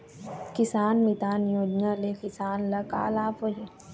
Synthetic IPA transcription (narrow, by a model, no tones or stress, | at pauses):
kɪsaːnmit̪aːnjoːd͡ʒnalekɪsaːnlɐka̰ːlaːpoɦe